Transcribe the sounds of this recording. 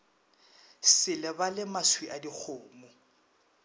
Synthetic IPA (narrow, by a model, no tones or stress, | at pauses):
sɪlɛbalɪmaswiʔadik͡xʰʊːmʊ